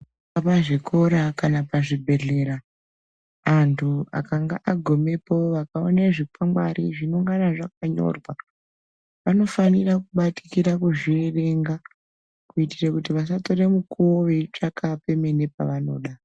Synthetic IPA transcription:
apaʐikʰo̞ɾakanapaʐibʱe̞ɮe̞ɾa | antʰua̰kaŋɡa̰ʔaɡʱo̞me̞po̞ʋakaoneʐikamɡwa̰ɾiʐino̞ŋɡanaʐak̚aɲo̞̰rwa | ʋano̞fanirakuɓati̥kiɾakuʐirere̞ŋɡa | kuitirakutiʋas̬ato̞ɾemukuwoʋeʈ͡ʂakʰape̞mene̞pa̰ʋano̞̰ːɗa

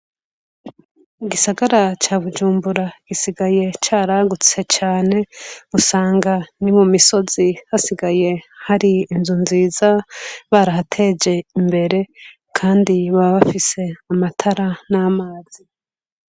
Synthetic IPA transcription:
iɡisaɡaɾat͡ʃaːβud͡ʒuːmbuɾaɡ̥isiɡaje̞t͡ʃaːɾaɡut͡se̞t͡ʃaːne̞usaːŋɡanimumiso̞z̥ihasiɡaje̞haɾiːnzunziːzaβaɾaɦatʰe̞d͡ʒe̞imbe̞ɾe̞ | kʰaːndiβaβafise̞amatʰaɾanaːmaːz̥i

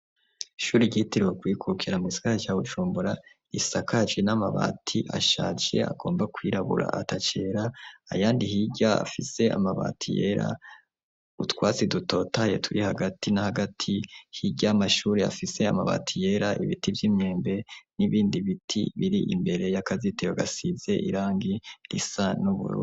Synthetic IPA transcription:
ʃuːɾiɟitiɾokwiːkʰukʰiɾamwiːsḁkat͡ʃaːβuʒuːmbuɾa | isakaʒinamaβa̰ːtʰiʔaʃa̰ːt͡ʃe̞̰a̰ɡo̞ːmbakwiːɾaβṵɾa̰atat͡ʃeːɾa̰ːjaːndihiɟaa̰fise̞a̰maβa̰ːtʰije̞̰ːɾa̰ | utwaːt͡siduto̞ːtaje̞̰tʰuɾihaɡatinahaɡatʰihiɟamaʃuːɾea̰fise̞amaβa̰ːtʰije̞ɾaʔiβitivjiːmɲe̞ːmbe̞niβiːndiβitʰḭβiɾiʔimbe̞ɾe̞jakazitejoɡasize̞ʔḭɾaːŋɡiɾisanuβṵɾṵː

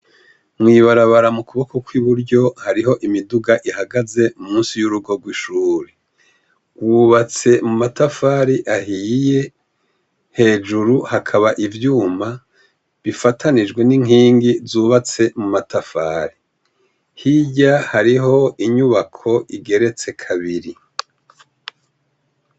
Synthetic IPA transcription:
mŋiːβaɾaβaɾamukuβo̞kokwiβuɾɟo̞haɾiɦo̞ʔimiduɡaʔihaɡaze̞mumuːnsijuɾuɡo̞ɡwiʃuːɾe | wuβat͡se̞mumatafaːɾiʔaɦije̞ | he̞d͡ʒuɾuhakʰaβaʔivjuːma | βifatʰanid͡ʒɡwe̞niŋ̥iːŋɡizuːβat͡se̞mumatafaːɾi | hiɟahaɾiɦo̞iɲuβakʰo̞iɡe̞ɾe̞t͡se̞kʰaβiɾi

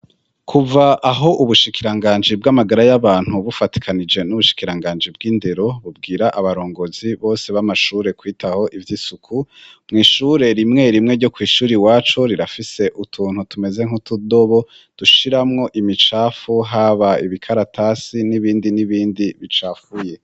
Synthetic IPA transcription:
kʰuvaʔaɦo̞ʔuβuʃikiɾaŋɡaːɲd͡ʒib̚ɡamaɡaɾajaβaːn̥huβufati̥kʰanid͡ʒe̞nuβuʃi̥kiɾaŋɡaːnd͡ʒib̚ɡiːndeɾo̞βub̚ɡiːɾaʔaβaɾo̞ːŋɡo̞ziβo̞ːse̞βamaʃuːɾe̞kwiːtʰaho̞ʔivjiːsukʰumŋiːʃuːɾe̞ɾimŋe̞ɾimŋe̞ɾɟo̞kwiːʃuːɾiwaːt͡ʃo̞ɾiɾafise̞ʔutʰuːn̥hutume̞ze̞ŋhutudo̞βo̞ | d̥uʃiɾamŋo̞ʔimit͡ʃaːfuɦaβaiβikʰaɾatʰasiniβiːndiniβiːndiβit͡ʃaːfuje̞

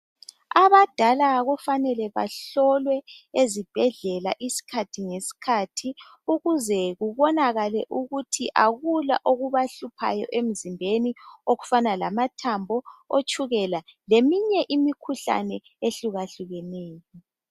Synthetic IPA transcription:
aβad̥ʱalaɣɔfanɛlɛβa̰ɬɔlwɛezib̥ʱɛɮɛla̰ʔisi̥kʰatʰiŋesi̥kʰatʰi | uɣuzɛɣuβɔnaɣalɛʔuɣutʰiʔaɣula̰ʔoɣuβaɬupʰa̰jɔ̰ʔem̩zimbʱenioɣufanalamatʰambʱɔot͡ʃʼuɣɛlalemiɲɛʔimikʰuɬa̰nɛ | eɬuɣaɬuɣɛnɛːjɔ

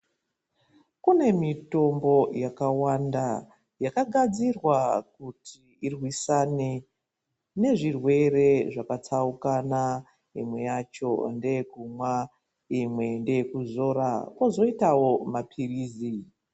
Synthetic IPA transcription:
kune̞mito̞mbo̞jakawanda | jakaɡʱad͡zirwakutʰi | irwisane | ne̞ʐirwe̞re̞ʐakat͡saukana | imwe̞jat͡ʃo̞̰nde̞kumwa | imwe̞nde̞kuzo̞ɾakwozo̞itawo̞mapʰiriːzi

